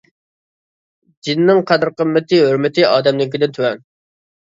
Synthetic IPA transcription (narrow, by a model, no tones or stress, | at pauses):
d͡ʒinnːɪŋqʰæd̪ɾqəmːɪt̪ʰɨɦøɾmɪt̪ʰɨʔɑːd̪ɛmlɪkʲid̪ɪnt̪ʰywɛn